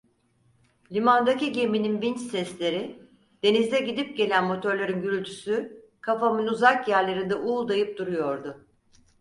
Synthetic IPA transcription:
lʲimand̪aciɟe̞mininvint͡ʃsɛslʲe̞ɾi | d̪̥e̞nizd̪ɛɟid̪ip̚ɟe̞lʲænmo̞t̪ʰø̞ɾlʲeɾinɟyɾylʲt̪ʰy̥sy | kʰafamɯnuzakjæɾlʲeɾind̪ɛʔulˠd̪ajɯp̚d̪uɾujo̞ɾd̪ʊ

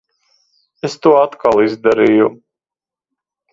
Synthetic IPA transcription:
est̪uɔat̪kalˠizd̪aɾiju

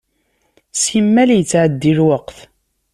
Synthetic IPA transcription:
simːæljət͡sːʕəd̪ːilwəqθ

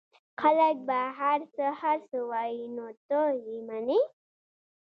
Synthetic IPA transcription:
xalak̚baɦaɾsəhaɾsəwajinot̪ojimani

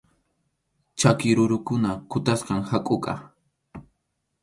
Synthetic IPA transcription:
t͡ʃakɪɾʊɾʊkʊnakʊt̪asqɑŋhakʼʊkʼɑ̰

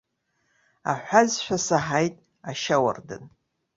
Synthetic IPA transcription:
a̰ħʷazʃʷᶣasaħajtʼ | aʃawa̰rdɨ̰n

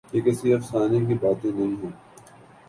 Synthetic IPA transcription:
kekesiɐfsaːnẽk̬ibaːt̪ẽnɐɦĩɦõː

